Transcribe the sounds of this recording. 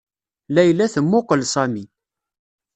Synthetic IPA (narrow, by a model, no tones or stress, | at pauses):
læjlːæθəmːʊqəlsˤæmi